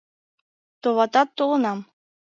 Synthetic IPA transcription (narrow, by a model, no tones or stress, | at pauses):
t̪oβɑt̪ɑt̪ːoʁɤ̆nɑm